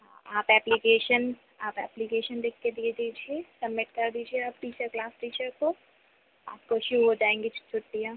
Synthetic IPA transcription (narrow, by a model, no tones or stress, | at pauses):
ɦãaːpɛːplikeːʃən | aːpɛ̰ːplikeːʃənd̪eːkʰːed̪ied̪iːd͡ʒʱiesɐmːɪʈ̚kɐɾd̪iːd͡ʒieaːpːiːt͡ʃaklaːsʈiːt͡ʃəɾko | a̰ːp̚koʃuːɦod͡ʒaːẽːŋɡit͡ʃt͡ʃʰʊʈːija